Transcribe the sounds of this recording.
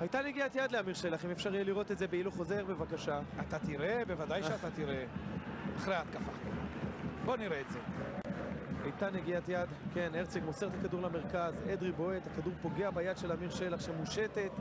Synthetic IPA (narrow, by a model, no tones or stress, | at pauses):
hajtaneɡiat̪jad̪leamiʁʃe̞laχimefʃaʁjeliʁo̞t̪etze̞beiluχo̞ze̞ʁbe̞vakaʃaat̪at̪iʁe̞bevadajʃeat̪at̪iʁe | aχʁeaːt̪kafa̰ | bo̞niʁeːtze̞ | ajt̪aneɡiat̪jad̪keneʁt͡seɡmoseʁt̪akaduʁlameʁkazed̪ʁibo̞et̪akaduʁpo̞ɡe̞abajad̪ʃelamiʁʃe̞laχʃemuʃet̪e̞t̪